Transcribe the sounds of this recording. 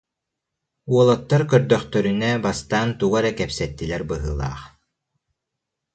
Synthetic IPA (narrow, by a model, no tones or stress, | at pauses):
uɔlˠat̪ːaɾkœɾd̪œχt̪œɾynɛbast̪aːnt̪uɡaɾɛkɛpsɛt̪ːilɛɾbɯɦɯːlˠa̰ːχ